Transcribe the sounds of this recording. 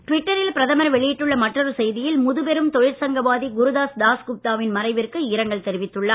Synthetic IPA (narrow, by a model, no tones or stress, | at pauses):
ʈʋɪʈːɐɾɪlpɪɾɐðɐmɐɾʋɛɭɪjɪʈːɯɭːɐmɐʈrɐɾɯsɛjðɪjɪlmʊðɯpɛɾɯmt̪ɔjɐɾsɐŋɡɐʋaːðiɡʊɾʊðaːd̪aːskʊp̚t̪aːʋɪnmɐɾɐɪʋɪrkɯɪɾɐŋɡɐɭt̪ɛɾɪʋɪt̪ːɯɭːɐː